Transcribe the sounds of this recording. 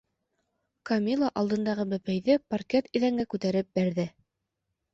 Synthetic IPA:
kɐmʲilˠaʔɑlˠd̪ɤ̆nd̪ɑʁɤbæpæjðɘpɐrkʲet̪iðæŋɡækʉt̪æɾɘp̚bæɾðɘ

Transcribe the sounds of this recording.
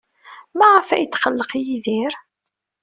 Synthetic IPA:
mæʁəfæ̰jət͡s̪ːχəlːəqjiðiɾ

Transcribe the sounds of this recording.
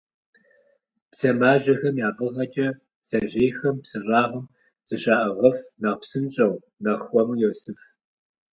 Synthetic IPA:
pt͡sʰɐmaːʑɐxɐmjaːvɨʁɐt͡ʃʼɐ | t͡sɐʑeːjxɐmpsɨʑʷʼaːʁɐm | z̥ɨɕaːʔɐʁɐfnɐʁpsɨnt͡ʃʼɐw | nɐχʷɔmjɛwsɨf

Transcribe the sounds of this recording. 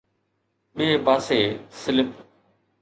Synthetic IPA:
ɓieːpaːseːsɪlɪp

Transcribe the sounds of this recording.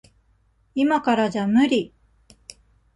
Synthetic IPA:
imakaɾad͡ʑamɯ̟ɾʲi

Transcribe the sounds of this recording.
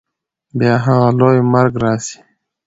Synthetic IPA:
bjɑːɦaɣalojmaɾɡɾɑːsi̥

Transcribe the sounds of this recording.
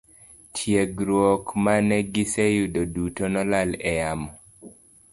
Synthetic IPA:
tʰjeɡɾwɔkmanɛɡɪsɛjudodutonɔlalɛjamɔ

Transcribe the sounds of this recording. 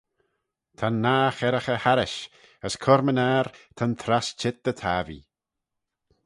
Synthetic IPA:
t̪ʰanːaːxɛɾəxəhaɾɪʃ | əskʰɔɾmənaːɾt̪ʰant̪ʰɾast͡ʃʰɪt̪̚d̪ət̪ʰaːvḭ

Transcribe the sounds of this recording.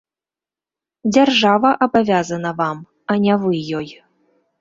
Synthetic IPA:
d͡zʲarʐavɐʔabavʲazɐnɐvam | anʲɛvɨjːɔj

